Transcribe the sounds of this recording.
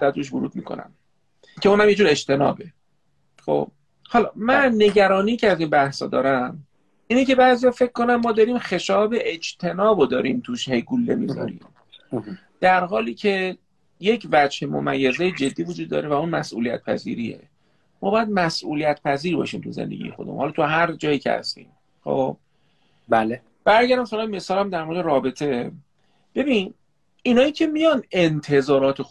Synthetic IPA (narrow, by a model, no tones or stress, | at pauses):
æt̪ɾuːʃ̬voɾuːd̪̚miːkʰo̰næ̰m | cʰeuːnhæmjed͡ʒuːɾe̞d͡ʒt̪ʰe̞nɒ̰ːbe̞ | χo̞̰b̥̚ | hɒlɒmænːe̞ɟæɾɒːnijcʲʰeæziːnbæhsɒ̰ːd̪ɒːɾæm | iːnice̞bæːzijɒːfe̞cʰːo̞nænmɒːd̪ɒːɾiːmxe̞ʃɒːbe̞ʔed͡ʒt̪ʰe̞nɒːbod̪ɒːɾiːmt̪ʰuʃhe̞jɡulːemḭzɒ̰ɾḭːm | d̪̥æɾɦɒːliːcʰe̞ | je̞cʰvæd͡ʒhe̞mo̰mæjːezejed͡ʒe̞d̪ːiːvud͡ʒud̪ːɒ̰ːɾevæunmæsʔṵːlijæ̰t̪̚pʰæ̰zḭːɾiḛ | mɒːbɒːjæd̪̚mæsʔṵlijæt̪pʰæziːɾbɒ̰ːʃiːmt̪ʰuzḛnd̪eɟḭje̞xo̞d̪emṵhɒlɒːt̪ʰuɦæɾd͡ʒɒːjiːcʰḛhæ̰st̪ḭːm | xo̰ːb̥̚ | bæle | b̥æɾmɟæɾd̪æmfælɒːeme̞sɒːlæmd̪æɾmo̞ɾd̪eɾɒːbe̞t̪ʰe̞ | b̥e̞biːn | inɒːjiːcʰe̞mijɒne̞nt̪ʰe̞zɒːɾɒːt̪ʰe